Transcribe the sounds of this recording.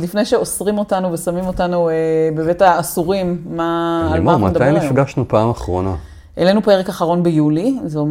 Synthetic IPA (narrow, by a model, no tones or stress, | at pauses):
lifnejʃe̞osʁimo̞tanuvesamimo̞tanuebevetaːsuʁimːaːlmamatd̪ajnifɡaʃnupaːmaχʁona | ʔele̞nupeʁekaχaʁo̞nbejulizeom